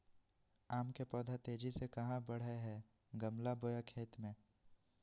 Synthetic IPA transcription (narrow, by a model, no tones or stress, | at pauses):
aːmkepɔːd̪ʱat̪eːd͡ʒisekɐɦãbɐɽ̤eɦɛ | ɡɐmlaboːjakʰeːt̪mẽː